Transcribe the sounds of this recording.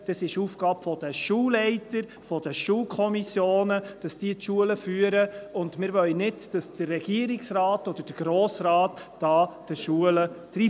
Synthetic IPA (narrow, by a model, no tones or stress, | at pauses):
d̥ɑsɪʃuːfɡ̥ɑːpfɔd̥əʃuːllɛɪtəɾ | fɔd̥əʃuːlkʰχɔmisjoːnəd̥ɑsd̥iətʃuələfyːəɾəʊndmɪɾʋœlnɪdd̥ɑsd̥ərːɛɡ̥iəɾɪksrɑːtɔd̥̪əɾd̥əɡ̥ɾoːsɾɑːtd̥ɑːd̥əʃuələd̥ɾi